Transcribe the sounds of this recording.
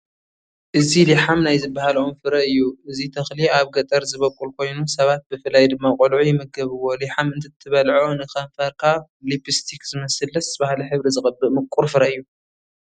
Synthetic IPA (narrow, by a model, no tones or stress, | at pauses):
ʔɨziliħamnajzɨbːahalomfɨɾɐɨjːuɨzit̪ʰɐxliaβɡɐt̪ʼɐɾzɨβɐkʼːulkʰo̞jnusɐβat̪̚bɨfɨlːajd̪ɨmːakʼulʕujɪmɐɡɐβɨwo̞liħamɨnt̪ʰɐt̪ʰːɨβɐlʕonɨkɐɱfɐɾkʰaβ | lipʼist̪ʰikz̥ɨmɐsɐlɐsbahliħɨβɾizɨxʼɐbːɨʔmɨkʼːuɾfɨɾɐɨjːu